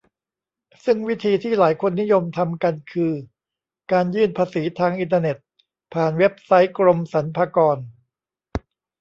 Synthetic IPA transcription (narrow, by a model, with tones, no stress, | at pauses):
sɯ˥˩ŋwi˦˥t̪ʰiː˧t̪ʰiː˥˩laː˩˦jkʰo˧nːi˦˥jo˧mt̪ʰa˧mka˧nkʰɯː˧ | kaː˧njɯː˥˩npʰaː˧siː˩˦t̪ʰaː˧ŋʔi˧nt̪aː˧ne˨˩t̪̚ | pʰaː˨˩nwe˦˥p̚sa˦˥jkɾo˧msa˩˦npʰaː˧kɔː˧n